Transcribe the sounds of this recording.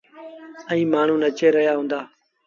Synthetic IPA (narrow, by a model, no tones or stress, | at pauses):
ə̃ĩːmaːɳ̤ũːnət͡ʃeːɾəjaːɦũːnd̪aː